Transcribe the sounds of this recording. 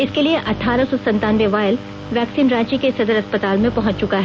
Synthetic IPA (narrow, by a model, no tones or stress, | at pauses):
ɪskelieʔɐʈʰaːɾasɔsɐ̃nt̪aːnʋeʋaːjɪl | ʋɛːksiːnɾãːt͡ʃikesɐd̪əɾɐspət̪aːlmẽpɐɦʊ̃t͡ʃt͡ʃʊkaɦɛː